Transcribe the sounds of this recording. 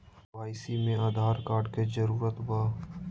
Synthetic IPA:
aːɪsimẽaːd̪ʱaːɾkaːɾɖkezəɾuːɾət̪baː

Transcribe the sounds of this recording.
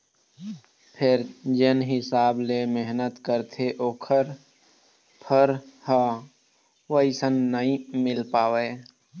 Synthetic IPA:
pʰɪɾd͡ʒɪnɦɪsaːblemeɦnət̪kəɾt̪ʰeʔoːkʰəɾ | pʰəɾha | wəisənːəɦĩmɪlpaːʋeː

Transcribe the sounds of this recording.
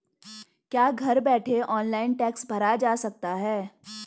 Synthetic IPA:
kjaːɡʱɐɾbɛːʈʰeʔɔːnlaːɪnʈɛːksbʱɐɾad͡ʒaːsɐk̚t̪aɦɛː

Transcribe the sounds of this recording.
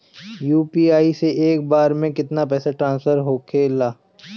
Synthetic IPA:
juːpiːaːiseʔeːk̚baːɾmẽkɪt̪napɛːsaʈɾãːnsfəɾɦoːkʰeːlaː

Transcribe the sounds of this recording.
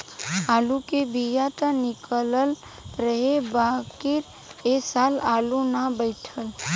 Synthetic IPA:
aːlukebʱijat̪ənɪkələl | ɾəɦebakɪɾ | esaːlaːlunabəɪʈʰəl

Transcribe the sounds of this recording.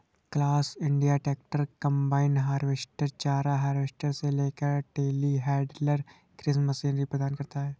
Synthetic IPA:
klaːsɪ̃ɳɖijaʈɛːk̚ʈəɾkɐ̃mbaːɪnɦaːɾʋesʈəɾt͡ʃaːɾaɦaːɾʋeːsʈəɾseleːkəɾɖeːliɦɛːɖləɾ | kɾɪsməsiːnɾipɾəd̪aːnkɐɾt̪aɦɛː

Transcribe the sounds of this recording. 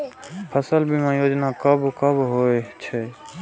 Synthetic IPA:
pʰəsəlbʱimãjoːd͡ʒnakəbkəbɦoet͡ʃʰɛ

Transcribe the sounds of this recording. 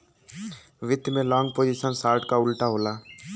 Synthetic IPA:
ʋɪd̪mẽlɔ̃ːŋɡ̚poːd͡ʒiʃənsaːɾʈkaʊlʈaɦoːlaː

